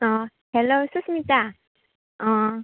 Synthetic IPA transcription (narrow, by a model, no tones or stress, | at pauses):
ʌ | helːos͈ʰɯs͈ʰɯmɲit͈a | ʌ